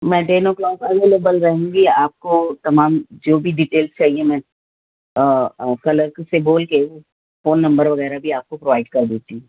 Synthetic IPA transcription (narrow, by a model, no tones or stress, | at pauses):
mɛ̃ːɖeːnoklɔ̃ːkɐɡeloːbəlɾɐɦẽːŋɡiaːp̚kot̪ɐmaːmd͡ʒoːbʱiɖiːʈeːlst͡ʃaːɦiemɛ̃ː | kɐləkseboːlkeo | foːnːɐ̃mbəɾʋɐɣɛːɾabʱiaːp̚kopɾoʋaːɪɖkɐɾd̪eːt̪iɦũ